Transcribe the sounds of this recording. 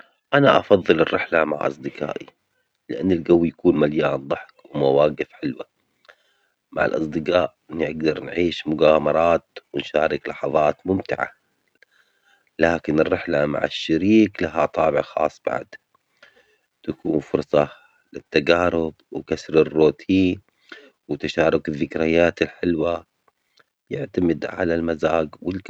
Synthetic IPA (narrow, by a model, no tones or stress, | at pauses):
ʔanaʔɑfɑðˤːɨlɪrːɪħlama̰ʕʔɑ̰sˤd̪ɪqa̰ːʔi | lɪʔanːɪlɡawːjakuːnmaljaːnd̪ˤɑħkwmawaːɡɪfħɪlwa | ma̰ʕa̰lʔɑ̰sˤd̪ɪqaːʔ | ɪnːiʔaɡd̪ɑɾˤnʕiːʃmʊɡaːmɑɾˤɑːt̪wɪnʃaːɾɪklɑħɑðˤɑːt̪mʊmt̪ɪʕa̰ | laːkɪnɪrːɪħlama̰ʕɪ̰ʃːaɾiːklaɦat̪ˤɑːbɪʕxɑ̰ːsˤːb̥a̰ʕd̪ | t̪akuːnfʊɾsˤɑ | lɪt̪ːaɡaːɾʊbwkasɾɪrːoːt̪ʰiː | wɪt̪aʃaːɾˤʊkɪðːɪkɾajaːt̪ɪlħɪlwa | jɪʕt̪amɪd̪ʕa̰lalmazaːɡwɪl